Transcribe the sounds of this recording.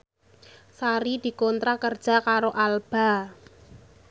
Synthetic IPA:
saɾid̪̥i̤kɔnt̪ɾakərd̥ʒ̥a̤kaɾoʔalb̥a̤

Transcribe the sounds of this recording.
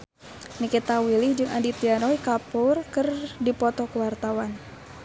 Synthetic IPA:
nikit̪awilihd͡ʒɨŋa̰ndit̪iaɾɔikapurkɨrdipɔt̪ɔkuwart̪awan

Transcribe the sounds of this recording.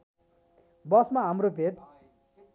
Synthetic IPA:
bʌsmaɦamropʰet̪̚

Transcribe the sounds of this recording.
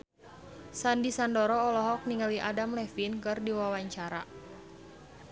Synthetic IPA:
sandisandɔɾɔːlɔɦɔk̚niŋɡaliʔadamlɛfinkɨrdiwawaɲt͡ʃaɾa

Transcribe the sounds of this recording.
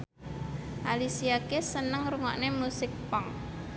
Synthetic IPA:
ʔalisiakesənəŋruŋɔ̰ʔnemusɪk̚pɔŋ

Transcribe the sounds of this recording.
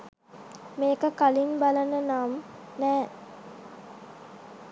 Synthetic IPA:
meːkəkalinbalənənaːm | næː

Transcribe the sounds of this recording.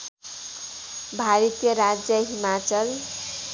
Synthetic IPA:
bʱaɾʌt̪jʌɾad͡zjʌɦimat͡sʌl

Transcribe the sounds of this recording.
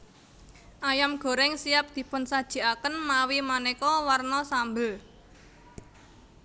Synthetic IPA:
ʔajamɡ̥o̤ɾɛŋsijap̚d̪̥i̤pʊnsad̥ʒ̥i̤akənmawimanekɔwarnɔsambəl

